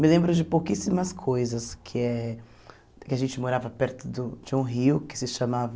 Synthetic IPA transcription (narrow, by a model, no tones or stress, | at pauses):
mɪlẽmbɾʊd͡ʒɪpowkisimɐskʰojzɐskʰɪɛ | kɪaʒẽnt͡ʃɪmoɾavɐpɛɾt̪ʊd̪ʊd͡ʒɪũɦiʊkɪ̥sɪʃamavɐ